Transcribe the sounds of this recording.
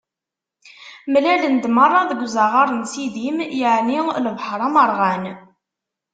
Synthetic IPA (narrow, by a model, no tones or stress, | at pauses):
mlælənd̪mərˤːɑðəɡʷzɑʁɑɾˤənsiðimjəʕniləvħəɾˤɑməɾˤʁæn